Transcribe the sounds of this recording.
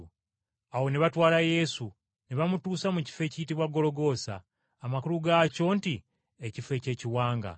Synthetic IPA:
awo̞neβatwaːlaje̞su | niβamutuːsamuci̥fe̞ːcijitiβwaɡːo̞lo̞ɡo̞sa̰ː | makuluɡaco̞ːnti | ecife̞ːce̞ːciwaːŋɡa̰

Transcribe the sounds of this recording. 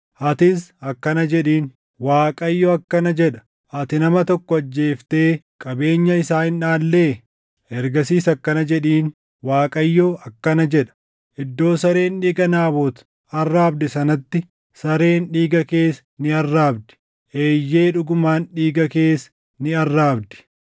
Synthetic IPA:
ʔɐt̪ɪsɐkːɐnɐd͡ʒɛᶑiːn | waːkʼɐjːoːɐkːɐnɐd͡ʒɛᶑɐ̥ | ʔɐt̪ɪnɐmɐt̪ɔkːɔɐd͡ʒːe̞ːft̪e̞ː | kʼɐbe̞ːɲːɐɪsaːhɪnᶑaːlːeː | ɛɾɡɐsiːsɐkːɐnɐd͡ʒɛᶑiːn | waːkʼɐjːoːʔɐkːɐnɐd͡ʒɛᶑɐ̥ | ʔɪd̪ːo̞ːsɐɾe̞ːnᶑiːɡɐnaːbot̪ | ɐrːaːbd̪ɪsɐnɐt̪ːɪ | sɐɾe̞ːnᶑiːɡɐke̞ːs | nɪɐrːaːbd̪ɪ̥ | ʔeːjːe̞ːᶑʊɡʊmaːnᶑiːɡɐke̞ːs | nɪɐrːaːbd̪ɪ̥

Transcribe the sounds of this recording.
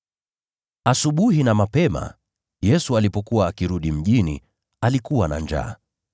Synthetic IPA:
asuɓuhinamapɛma̰ | jɛsualipɔkuwaːkiɾuɗim̩ʄinḭ | alikuwana̰ɲd͡ʒa̰ː

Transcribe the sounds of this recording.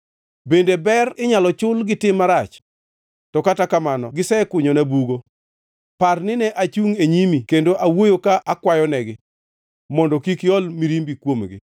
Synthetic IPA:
bendebɛɾɪɲalɔt͡ʃʊlɡɪtɪmːaɾat͡ʃ | tɔkatakamanɔɡɪsɛkʊɲonɛbuɡo | parnɪnɛʔat͡ʃuŋeɲimikendoʔawojokaʔakwajɔnɛɡɪ | mɔndɔkikɪɔlmiɾimbikwomɡɪ̰

